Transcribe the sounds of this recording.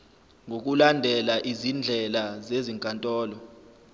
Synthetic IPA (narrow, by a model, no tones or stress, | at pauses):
ŋʱok̬ʼulandʱɛlaʔizind͡ɮʱɛlazeziŋkʼantʼɔːlɔ